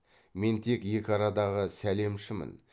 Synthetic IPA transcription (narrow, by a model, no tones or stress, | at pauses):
me̞nt̪ʰe̞kje̞kʲɪɑɾɑd̪ɑʁəsæle̞mʃɪmə̰n